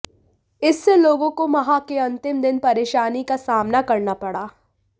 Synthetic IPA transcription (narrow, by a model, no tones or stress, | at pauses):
ɪsːeloːɡõkomɐɦakeɐ̃nt̪ɪmd̪ɪnpɐɾeːʃaːnikasaːmnakɐɾnapɐɽaː